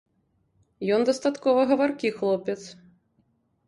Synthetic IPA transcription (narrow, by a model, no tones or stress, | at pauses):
jɔnd̪ɐst̪at̪kɔvɐɣɐvarkʲixlˠɔpʲɛt̪s